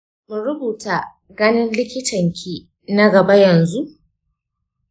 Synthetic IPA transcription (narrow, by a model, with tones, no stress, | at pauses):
mu˨ɾʊ˦buː˨ta˨ | ɡɐ˦nɪ˦nlɪ˦kʲɪ˦tʰɐ˨ŋkʲʰiː˦ | na˦ɡɐ˨ba˦jɐ˨nzu˦ʔ